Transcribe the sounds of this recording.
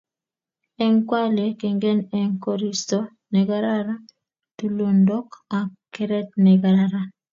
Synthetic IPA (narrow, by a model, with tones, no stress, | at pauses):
ɛ˦ŋkwa˦le˨ke˨ŋɡe˦nɛ˦ŋko˦ɾi˦sto˦ | nɛ˨ɡa˦ɾa˦ɾa˦ | tu˨lo˨ndɔ˦ka˨kkːɛ˦ɾɛ˦t̚nɛ˨ɡa˨ɾaɾa˦